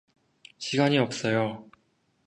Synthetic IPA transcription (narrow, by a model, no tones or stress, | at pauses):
ɕʰiɡaɲiʌp̚s͈ʌjo